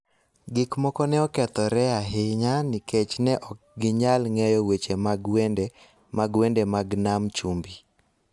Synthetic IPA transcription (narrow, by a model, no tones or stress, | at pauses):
ɡɪkmɔkɔnɛɔkɛt̪ɔɾɛaɦɪɲanɪket͡ʃnɛʔɔk̚ɡɪɲalŋɛjɔwet͡ʃemaɡend | maɡwendemaɡnamt͡ʃumbi